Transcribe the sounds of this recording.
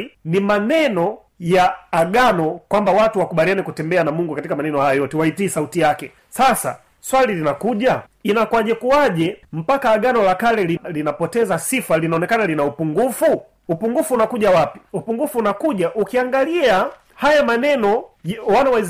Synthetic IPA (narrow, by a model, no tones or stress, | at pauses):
nimanɛnɔ | jaːɡanɔkwambawatuwakuɓalianɛkutɛmbɛanamuŋɡukatikamanɛnɔhajajɔtɛwaitiːsautijakɛ | sasa̰ | swalilinakuʄa | inakwaʄɛkuaʄɛm̩pakaːɡanɔlakalɛlilinapɔtɛzasifalinaɔnɛkanalinaupuŋɡufu | upuŋɡufuːnakuʄawapi̥upuŋɡufuːnakuʄaʔukiaŋɡalia | hajamanɛnɔwanawaz